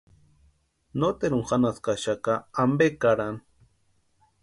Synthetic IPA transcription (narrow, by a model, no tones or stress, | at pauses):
not̪eɾuŋxanaskaʃakaːmbekaɾan